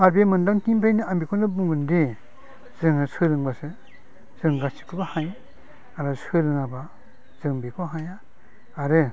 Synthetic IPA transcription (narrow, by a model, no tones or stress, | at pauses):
aɾbemɯndaŋkimpʰajnɯambikʰɔndɯbuŋɡɯnde | z̥ɯŋɯsɯlɯŋbasɯ | z̥ɯŋɡasi̥kʰɯbahaj | aɾasɯlɯŋaba | z̥ɯŋbekʰoɦaja | aɾɯ